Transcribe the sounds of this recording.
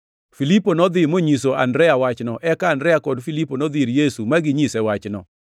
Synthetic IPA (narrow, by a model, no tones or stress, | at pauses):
filiponɔd̪ɪmoɲisoa̰ndɾɛawat͡ʃnɔʔɛkaːndɾɛakɔdfiliponɔd̪iɾjesumaɡɪɲisɛwat͡ʃnɔ